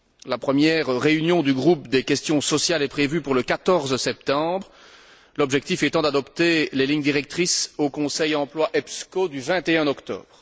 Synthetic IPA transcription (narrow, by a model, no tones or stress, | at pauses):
lapχəmjɛʁʁːeynjɔ̃d̪yɡʁup̚d̪ekʲɛst̪jɔ̃sɔsjalɛpχevypuʁləkat̪ɔʁzsɛp̚t̪ɑ̃bʁ | lɔbʒɛk̚t̪ifɛt̪ɑ̃d̪ad̪ɔpt̪eleliɲd̪iʁɛk̚t̪χisokɔ̃sɛjɑ̃plwaʔɛpskod̪yvɛ̃t̪eɛ̃nɔkt̪ɔ̰ːbʁ